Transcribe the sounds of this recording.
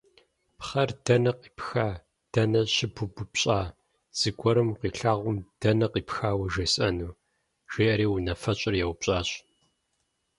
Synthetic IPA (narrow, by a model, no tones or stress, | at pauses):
pχɐrdɐnɐqʼi̥ːpxaː | d̥ɐnɐɕɪbʊbʊpɕʼaː | z̥ɨɡʷɔɾɨmqiːɬaːʁʷʊmd̥ɐnɐqiːpxaːwɐʒesʼɐnuː | ʒ̥eːʔɐɾiːwunɐfɐɕʼɪrjɛwpɕʼaːɕʼ